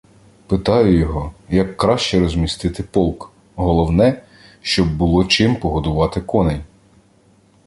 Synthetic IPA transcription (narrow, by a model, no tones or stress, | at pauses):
pɪt̪ɑjʊjɔɦɔjɐkːɾɑʃt͡ʃɛɾɔzʲmʲist̪ɪt̪ɪpɔlˠk | ɦɔlˠɔwnɛ | ʃt͡ʃɔbːʊlˠɔt͡ʃɪmpɔɦɔd̪ʊʋɑt̪ɪkɔnɛj